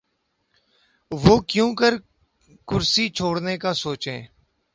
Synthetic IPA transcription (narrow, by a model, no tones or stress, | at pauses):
ʋoːkjõːkəɾ | kʊɾsiːt͡ʃʰoːɽneːkaːsoːt͡ʃɦḛ̃ː